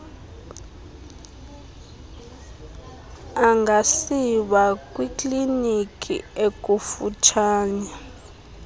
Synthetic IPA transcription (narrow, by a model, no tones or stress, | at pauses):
aŋɡʱasiɓak̬ʼwikʼlinikʰʼḭek̬ʼufut͡ʃʰaːɲa